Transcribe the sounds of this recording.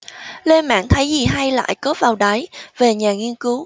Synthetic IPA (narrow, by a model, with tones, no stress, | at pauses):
le˧nma̰ː˧˨ŋt̪ʰə˨˦jzi˨˩ɦa˧jla̰ː˧˨jkɔ˨˦tvaː˨˩wɗa˨˦jve˨˩ɲaː˨˩ŋi˧ənkɨ˨˦w